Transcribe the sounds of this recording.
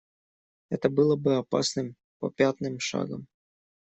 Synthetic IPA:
ɛt̪əbɨlˠəbɨɐpasnɨm | pɐ̰pʲat̪nɨmʂa̰ɡə̰m

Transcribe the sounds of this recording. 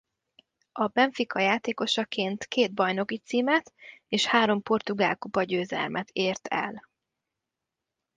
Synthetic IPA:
ɒbɛɱfikɒjaːt̪eːko̞ʃɒkeːnt̪keːd̪̚bɒjno̞kit̪siːmɛt̪eːʃhaːɾo̞mpo̞rt̪uɡaːlkupɒɟøːzɛ̰lmʔɛt̪ʰeːrt̪ʰɛ̰l

